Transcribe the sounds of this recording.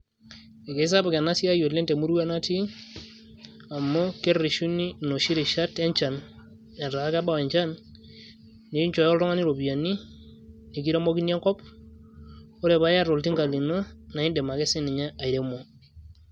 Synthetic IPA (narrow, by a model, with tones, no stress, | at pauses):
ɛ˨ke˨˦s̬a˦ba˨ke˨na˦si˦a˦jo˨tle˦nte˨mu˦ɾu˦wa˦na˦ti˦ | a˨mːɔ˦ke˦ri˨ʃu˦ni˦no˨ʃi˦ɾi˨ʃa˦tɛ˦ɲt͡ʃa˨n | ɛ˨nɾa˨a˦ka˦ba˦wɛ˨ɲt͡ʃa˦n | e˨i˦ɲt͡ʃɔ˨jɔ˦lɾɔ˦ŋa˦ni˦ɾo˨bi˨ja˨ni˦ | ne˨k̬i˦ɾe˦mo˦ki˦ni˦ɛ˦ŋkɔ˦p̚ | o˦ɾɛ˨ba˦ja˦ɾo˨lti˦ŋka˨li˨no˦na˨i˦ndɛ˨ma˨ke˦si˦ni˨ɲa˦a˨i˨ɾe˦mo˨